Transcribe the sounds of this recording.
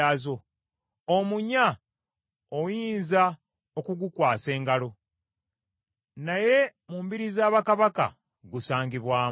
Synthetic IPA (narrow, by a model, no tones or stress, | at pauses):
aːzo̞ | omuɲa | ojiːnza | okuɡukwaːse̞ːŋɡalo̞ | naje̞muːmbiɾizaːβakaβaka̰ | ɡusaːŋɡiβwaːm